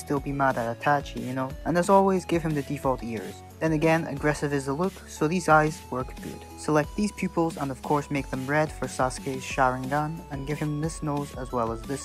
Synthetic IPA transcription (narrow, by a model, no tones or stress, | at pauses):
stɪlˠbimæɾɨɾɨtʰæt͡ʃjɨnoʊə̃nəsɔlˠwizɡɪv̥ɨ̃mðɨdifɔlˠtɪɹz̥ðɨ̃nɨɡɛ̃nɨ̰ɡɹɛsɨvɨzəlʊksoʊðizaɪzwɜ˞kɡ̥ʊ̰d̥səlɛk̚t̪̚ðiz̥pʰj̥ʉpl̩ˠzə̃nʌv̥kʰɔɹsmeɪk̚ðɨ̃mɹɛd̥fə˞sɑskeɪz̥ʃaʊɹɪ̃ŋɡʌ̃nɨ̃nɡɪv̥ɨ̃mðɪsnoʊzəzwɛlˠəzðɪs